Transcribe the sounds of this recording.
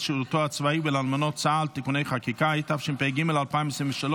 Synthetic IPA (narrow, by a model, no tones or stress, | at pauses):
ʃilut̪oat͡svaibɪlalmɪnɔt͡salt̪ikuneɪχakikajitafʃimpeɡiməlalˠpaɪnmbsɪmɪʃalo